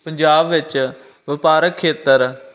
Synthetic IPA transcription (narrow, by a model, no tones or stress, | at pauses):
pəɲd͡ʒaːbʋɪt͡ʃ | ʋɪpaːɾəkʰːeːt̪əɾ